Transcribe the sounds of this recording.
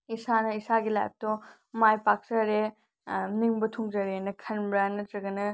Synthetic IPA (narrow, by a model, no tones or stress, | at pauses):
isanɐisaɡila̰jp̚tɔ | majpak̚zɐɾe | niŋbɐtʰuŋzɐɾenɐkʰɐnbɾɐnɐtɾɐɡɐnɐ